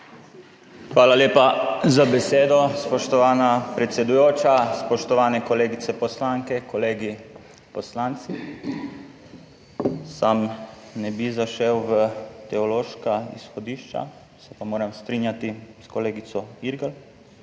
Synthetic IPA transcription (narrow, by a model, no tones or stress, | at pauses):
xʋaːlaleːpazabɛseːd̪ɔspɔʃt̪ɔʋaːnapɾɛt̪sɛd̪ujoːt͡ʃaspɔʃt̪ɔʋaːnɛkɔleːɡit̪sɛpɔslaŋkɛkɔleːɡi | pɔslant̪si | samnɛbizaʃɛwʋət̪ɛɔloːʃkaḭsxɔd̪iːʃt͡ʃa̰ | sɛpamoːɾɛmst̪ɾiːnjat̪iskɔleːɡisɔiɾɡal